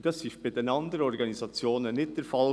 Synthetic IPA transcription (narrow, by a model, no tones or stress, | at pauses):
d̥ɑsɪçtb̥aɪdenɑnd̪əɾɔɾɡɑnizɑt͡sjoːnənːɪt̚d̥ɛɾfɑl